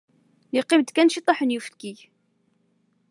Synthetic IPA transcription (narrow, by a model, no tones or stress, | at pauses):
jiqːɪmd̪kænʃit̪ˤːɑħənjufəlkiʝ